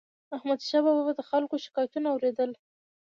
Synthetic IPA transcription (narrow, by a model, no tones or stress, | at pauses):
ahmad̪ʃɑbɑbabd̪əxalkoʃɪ̥kɑjat̪unaawɾed̪əl